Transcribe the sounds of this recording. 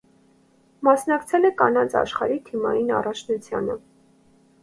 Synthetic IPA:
mɑsnɑkt͡sʰɛlɛkɑnɑnt͡sʰɑ̰ʃχɑɾit̪ʰimɑ̰jinɑ̰rɑt͡ʃʰnut͡sʰjɑ̰nə

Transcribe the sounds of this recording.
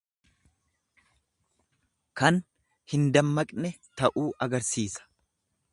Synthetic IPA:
kɐn | hɪnd̪ɐmːɐkʼnɛt̪ɐʔuːʔɐɡɐɾsiːsɐ̥

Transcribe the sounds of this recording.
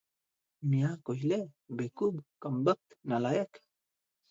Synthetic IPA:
miakojlebekubkambək̚t̪nalaek

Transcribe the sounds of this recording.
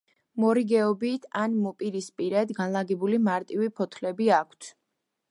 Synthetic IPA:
mɔɾiɡɛɔbit̪ʰanmɔpʼiɾispʼiɾɛd̪ɡanlˠaɡɛbulimaɾt̪ʼivipʰɔt̪ʰlɛbiakʷʰt̪ʰ

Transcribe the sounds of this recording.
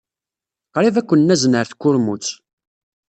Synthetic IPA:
qɾˤivækʷːənːæznəɾθkːʊɾmut͡sː

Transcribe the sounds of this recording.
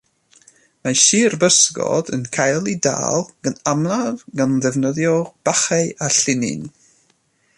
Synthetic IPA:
maʃiːrbəsɡɔ̰dənkʰajlˠida̰ːlˠɡ̥ənamlˠavɡanðɛvnəðjɔb̥aχɛʔaɬɪnɪ̰n

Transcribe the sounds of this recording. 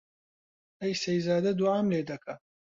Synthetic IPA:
ɐjsɐjzaːd̪ɐd̪uʕamleːd̪ɐkʰɐ

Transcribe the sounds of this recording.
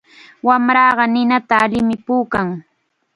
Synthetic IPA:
wamɾɑːɢɑnɪnat̪aːlɪmɪpuːkaŋ

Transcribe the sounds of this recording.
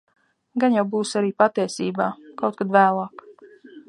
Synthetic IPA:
ɡanjawbuːsaɾiːpat̪iɛjsiːbaːkawt̪̚kad̪væːlˠaːk

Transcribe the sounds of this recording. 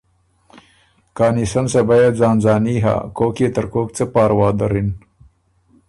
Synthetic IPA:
kɑːnisɐnsɐbajazɑːnzɑːniɦa̰ːkoːket̪əɾkoːk̚t͡səpɑːɾwɑːd̪aɾin

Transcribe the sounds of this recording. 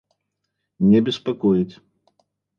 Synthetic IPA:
nʲɛbʲɪspakɔjit͡sʲ

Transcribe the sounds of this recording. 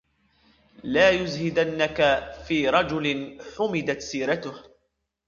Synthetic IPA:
laːjʊzhɪd̪anːakafiːɾˤɑd͡ʒʊlɪnħʊmɪd̪at̪siːɾat̪ʊh

